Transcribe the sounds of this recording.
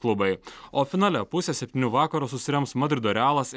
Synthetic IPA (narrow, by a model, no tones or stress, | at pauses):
klˠʊbɐɪoːfʲɪnɑːlʲɛpʊsʲɛːsʲɛpʲt̪ʲɪːnʲuːʋɑːkɐɾuːsʊsʲɪɾʲɛmpsmɐd̪ʲɾʲɪd̪oːɾʲæːlˠɐs